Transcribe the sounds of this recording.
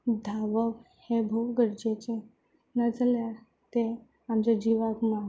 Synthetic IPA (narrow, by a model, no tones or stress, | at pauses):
d̪ʱaʋəʋ | hebʱoɡəɾd͡ʑet͡ɕe | nad͡zəlja | t̪e | amd͡ʑad͡ʑiʋaɡma